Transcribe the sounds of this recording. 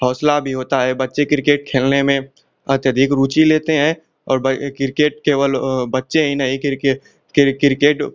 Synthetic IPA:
hɔːslabʱiɦoːt̪aɦɛbɐtːʃekɪɾɪkeːʈ̚kʰeːlnemẽ | ɐt̪jəd̪ʱikɾuːt͡ʃileːt̪eɦɛ̃ | ɔːɾbəkɪɾkeːʈ̚keːʋəlbɐtːʃeɦinɐɦĩk | kkɪɾkeːʈ

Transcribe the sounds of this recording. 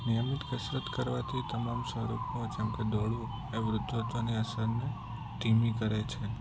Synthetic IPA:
nijəmɪt̪kəsɾət̪kəɾʋat̪ʰit̪əmamsʋəɾupnõd͡ʒɛmked̪oɽu | eʋɾʊd̪ʱːod̪oniəsəɾne | ʈimikəɾet͡ʃʰe

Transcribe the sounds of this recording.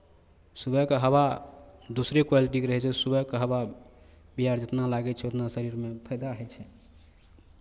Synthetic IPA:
subəkəɦəwad̪osɾekwaliʈ̬ikeɾəɦɛt͡ʃʰɛsubəkəɦəwa | biɦaɾd͡ʒet̪nalaɡɛt͡ʃʰɛot̪nasəɾiɾmepʰəjd̪aɦɛt͡ʃʰɛ

